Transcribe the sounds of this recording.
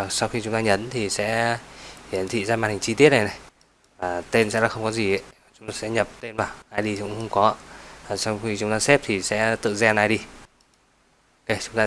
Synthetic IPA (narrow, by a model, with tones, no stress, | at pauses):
sa˧wxi˧t͡ɕʊ˨˦ŋ͡mt̪aː˧ɲə˨˦nt̪ʰi˨˩sɛ̰˧˥ | hi˨˧˩ənt̪ʰḭ˧˨zaː˧ma˨˩t̚ha˨˩ŋ̟t͡ɕi˧t̪i˦˥ət̚nə˨˩na˨˩j | vaː˨˩t̪e˧nsɛ̰˧˥laː˨˩xə˧wŋ͡mkɔ˨˦zi˨˩ə̰˧˨˦jt͡ɕʊ˨˦ŋ͡mt̪aː˧sɛ̰˧˥ɲə˨˩p̚t̪e˧nvaː˨˩wnʔaː˧jɗi˧kʊ̰˧˥ŋ͡mxə˧wŋ͡mkɔ˨˦˧aː˨˩sa˧wŋ͡mxi˧t͡ɕʊ˨˦ŋ͡mt̪aː˧sɛ˦˥p̚t̪ʰi˨˩sɛ̰˧˥t̪ɨ̰˧˨zɛ˧nʔaː˧˩jɗi˧ | ʔo˧ke˧t͡ɕʊ˨˦ŋ͡mt̪aː˧